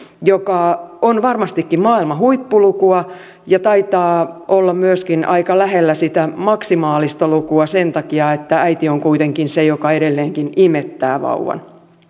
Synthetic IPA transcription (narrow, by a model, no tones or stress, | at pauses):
jokɑonʋɑrmɑst̪ikːimmɑːilmɑɦuipːulukuɑ | jɑt̪ɑit̪ɑːʔolːɑmyøskinʔɑikɑlæɦelːæsit̪æmɑksimɑːlist̪ɑlukuɑsent̪ɑkiɑet̪ːææit̪ioŋkuit̪eŋkinsejokɑeɾelːeːŋkinimet̪ːæ̰ːʋɑ̰uʋɑ̰n